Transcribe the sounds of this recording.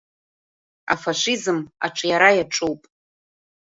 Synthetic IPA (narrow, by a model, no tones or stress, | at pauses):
a̰faʃʷizɨma̰ʈ͡ʂʰʼjaɾajaʈ͡ʂʼuwpʼ